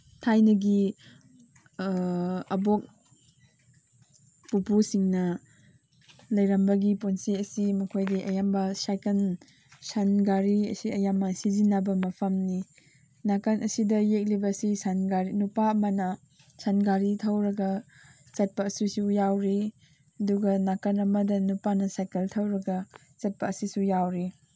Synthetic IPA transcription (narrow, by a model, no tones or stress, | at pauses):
tʰajnɐɡi | ɐbok̚ | pupusiŋnɐ | lɐjɾɐmbɐɡiponseɐsimɐkʰojdiʔɐjambɐsajkɐn | sanɡaɾiɐ̰siɐjamːɐsizinabɐmɐpʰɐmni | nakɐnʔɐsidɐjek̚libɐsisanɡaɾinupaɐmanɐ | sanɡaɾitʰɐwɾɐɡɐ | t͡ʃɐt̚pɐːsisujawɾi | ɐduɡɐnakɐnɐmɐdɐnupanɐsajkɐltʰɐwɾɐɡɐ | t͡ʃɐt̚pɐːsisujawɾi